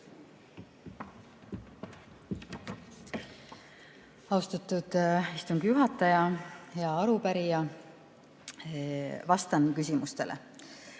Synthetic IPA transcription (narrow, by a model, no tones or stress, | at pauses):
ɑust̪ɑt̪ːud̪̥ist̪uŋɡjuɦɑt̪ːˑɑjɑheɑɑɾupæɾijɑ | vɑst̪ɑnkysʲimust̪e̞̰lʔḛ